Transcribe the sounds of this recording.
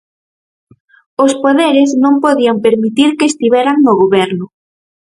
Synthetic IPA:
ospoðeɾɪznõmpoðiampeɾmit̪iɾkeːst̪iβɛɾaŋnʊɣoβɛɾnʊ

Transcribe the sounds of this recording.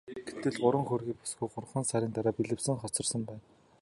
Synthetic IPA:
ɡ̥et̪ːɘ̆ɮɢʊɾə̆ŋxɵrɣiːpʊ̥sɡujɢʊrχə̆nsaɾʲiːnt̪aɾaːpiɮɘ̆wsɘ̆ŋχɔt͡sɞ̆rsə̆mpæːn

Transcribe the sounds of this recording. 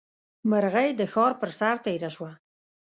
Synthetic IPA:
məɾɣajd̪əxɑɾpəɾsaɾt̪ajɾaʃwa

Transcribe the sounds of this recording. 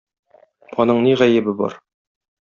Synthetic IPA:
ɒnɤɴniʁæjɘ̆bɘbɒ̰ɾ

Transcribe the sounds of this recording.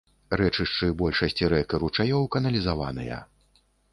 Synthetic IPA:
rɛt͡ʂɨʂt͡ʂɨbɔlʲʂɐsʲt͡sʲiɾɛkɐɾut͡ʂajɔwkɐnɐlʲizava̰nɨ̰jɐ̰

